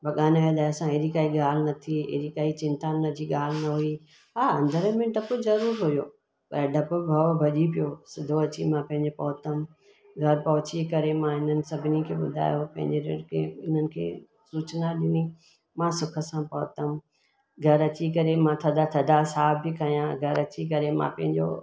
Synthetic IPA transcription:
bɐɠaːnʋeːd̪aːjsãɦeɾikaːiɠaːl̤ɪnɐt̪ʰiɦḛɾikaːit͡ɕɪ̃nt̪anəd͡ʑiɠaːl̤ɪnɐɦui | ɦaːɐ̃nd̪əɾmẽɖɐpʊzɐɾuːɾɦʊjoː | pɐ̰ɾɖɐpʊbʱɐʋbʱɐʄipijoːsɪd̪ʱoɐt͡ɕimãpɐ̃ɦɪ̃ɲd͡ʑepɐɦʊt̪əm | ɡʱɐɾpɐɦʊt͡ɕikɐɾemãɪn̤ənɪ̆sɐbʱɪnikʰeːɓʊd̪ʱa̰ːjopɐ̃ɦɪ̃ɲd͡ʑeɾḛɽkʰḛːɪn̤ənɪ̆kʰḛː | suːt͡ɕənaɗɪni | mãːsʊkʰə̆sãpɐɦʊt̪əm | ɡʱɐɾɐt͡ɕik̬ɐɾemãt̪ʰɐd̪ʱat̪ʰɐd̪ʱasaːbikʰɐijãɡʱɐɾɐt͡ɕik̬ɐɾemã̰pɐ̃ɦɪ̃ɲd͡ʑo̰

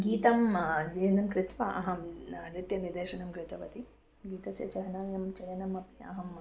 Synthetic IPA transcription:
ɡiːt̪ɐmd͡ʒeːɐnɐmkɾɪt̪ʋɐʔɐɦɐmnɪt̪jɐnid̪ɐʃɐnɐmkɾɪt̪ɐʋɐt̪i | ɡiːt̪ɐsjɐ̰t͡ʃɐɦɐnamjɐmt͡ʃɐjɐnɐmɐpiɐ̰ɦɐm

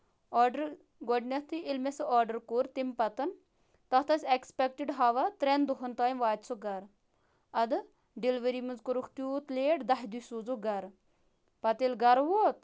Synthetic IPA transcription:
ɔːɖəɾ | ɡɔɖnʲɐt̪ʰɨilmesɨɔːɾɖəɾkuɾt̪impɐt̪ɐn | t̪ɐt̪ɐsʲekspek̚ʈiɖɦaʋɐt̪ɾɛnd̪uɦɐnt̪aːjmʋaːt̪ʲsoɡɐɾ | ɐd̪ɨ | ɖilʋɐɾimɨnzkuɾukʰt̪juːt̪leːʈd̪ɐɦd̪usuːd͡zoɡɐɾ | pɐt̪ilɡɐɾʋoːt̪̚

